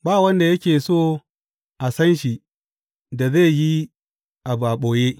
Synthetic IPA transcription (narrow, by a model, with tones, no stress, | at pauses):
baː˦˨wɐ˦nda˨jɐ˦kʲeː˨soː˦˨ | ʔa˨sɐ˦nʃi˨ | da˨ze˦˨ji˦ | ʔa˨baː˨ɓoː˨je˦